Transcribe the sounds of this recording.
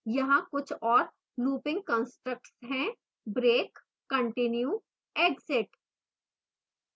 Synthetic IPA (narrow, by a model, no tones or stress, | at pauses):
jɐɦãkʊt͡ʃʰɔːɾ | nuːpɪ̃ŋɡ̚kɔ̃ːnsʈɾək̚ʈsɦɛ̃ | bɾeːkː | ɐ̃ɳʈɪnju | eːɡzɪʈ